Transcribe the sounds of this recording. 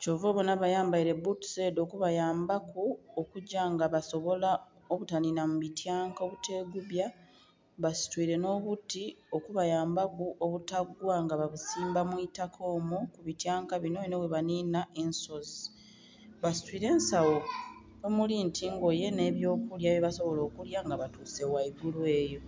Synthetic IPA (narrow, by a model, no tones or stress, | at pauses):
coːvoβo̞naβajaːmbaiɾe̞butu̥se̞ːdo̞ːkuβajaːmbakuokuɟːaŋɡaβaso̞βo̞la | o̞βutaninamuβitjaːŋkaoβute̞ːɡuβja | βasi̥twiːɾe̞no̞ːβutio̞kuβajaːmbakuʔoβutaɡwaŋɡaβaβusiːmbamwitakʰo̞ːmukuβitjaːŋkaβinoβinoweβaniːnaʔenso̞zi | βasi̥twiːɾe̞ːnsawo | omulintʰiŋɡo̞je̞ne̞ːβjo̞ːkuljaβjeβaso̞βo̞lo̞ːkuljaŋɡaβatuːse̞waiɡulwe̞ːjo̞